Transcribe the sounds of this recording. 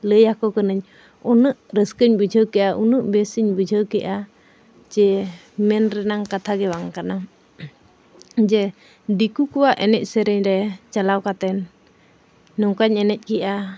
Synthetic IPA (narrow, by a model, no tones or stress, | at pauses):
ləjakɔkənəɲ | ɔnəʔɾəskəɲbəd͡ʒʱəkɛʔaʔunəʔbɛsəɲbəd͡ʒʱəkɛʔa | t͡ʃɛ | mɛnɾɛnaŋkat̪ʰaɡɛwaŋkana | d͡ʒɛ | dikukuwaʔɛnɛc̚sɛɾɛɲɾɛt͡ʃalawkat̪ɛn | ɔŋkaɲɛnɛc̚kɛʔa